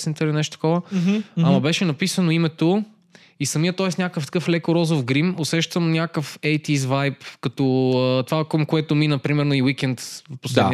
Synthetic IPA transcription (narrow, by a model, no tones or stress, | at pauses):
snt̪əlinɛʃt̪o̥t̪ɐ̥kɔvəɐmɐbɛʃɛnɐpisənoimɛt̪o | isɐmiət̪ɔɛsnʲakəft̪ɐ̥kɤflɛkoɾɔzofɡɾimosɛʃt̪əmnʲakəfɛjt̪izvajpkɐt̪ɔət̪ovakomkoɛt̪ominəpɾimɛɾnoiwik̟ɛnt̪poslɛd̪i